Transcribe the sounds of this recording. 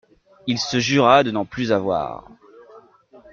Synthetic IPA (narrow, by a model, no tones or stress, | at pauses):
ilsəʒyʁad̪ənɑ̃plyzavwa̰ːʁ